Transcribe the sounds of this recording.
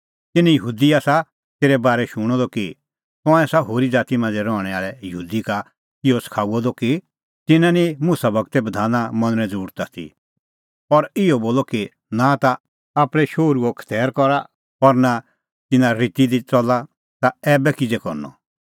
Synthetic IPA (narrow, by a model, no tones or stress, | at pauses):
t̪ɪnɛ̃jəɦuːd̪iaːsa | t̪eːɾɛbaːɾɛʃʊɽ̃ɔd̪ɔki | t̪ɔ̃ɛsaɦoːɾid͡zaːt̪imãːnd͡zɛɾɔːɽ̃ɛaːɭɛjəɦuːd̪ika | ɪɔskʰaːuɔd̪ɔki | t̪ɪnãnĩmuːsabɐɡ̚t̪ɛbɐd̪ʱaːnamɐ̃nəɾɛ̃d͡zuːɽt̪at̪ʰḭ | ɔɾɪɔboːlɔki | nãt̪a | aːpɽ̃ɛʃoːɾuɔkʰə̥t̪ɛːɾkɔɾa | ɔɾna | t̪ɪnãɾit̪id̪it͡sɔla | t̪aɛːbɛkɪd͡zɛkɔɾnɔ̰